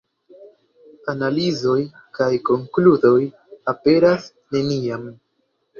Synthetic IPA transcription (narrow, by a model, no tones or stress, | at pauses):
analizo̞j | kajko̞ŋkludo̞j | ape̞ɾas | ne̞niam